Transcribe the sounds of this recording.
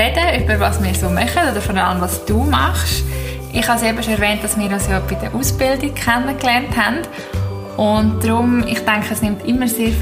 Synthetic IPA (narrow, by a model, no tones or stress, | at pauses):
ɛd̥əyb̥əɾvɑːsmiːɾsoːmœχədodəɾfɔɾɑləmvɑːsd̥uːmɑχʃ | ʔɪχhɑsɛbəʃoɛɾvɛːnt̚d̥ɑsmɪːɾɑsjɑbid̥əʔuːsb̥ɪldɪk̚kʰɛnəklɛɾnthɛnd̥ | ʔʊntd̥ɾʊmɪχtɛŋkəəsnɪmtɪmːəseːɾ